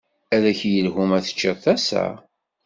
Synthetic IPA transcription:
ælæçjəlɦumæθə̥t͡ʃːəˤθæsæ̰

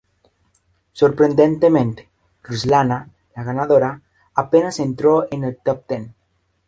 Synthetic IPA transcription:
soɾpɾend̪ent̪emẽnt̪e̥ | ruzlana | laɣanaðoɾa | apenasent̪ɾoenelt̪ɔp̚t̪en

